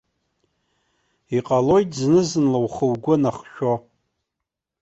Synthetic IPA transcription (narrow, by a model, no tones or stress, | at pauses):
iqʼalojtʰʼznɨzɨnlawχəwɡʷʊnaχʃᶣo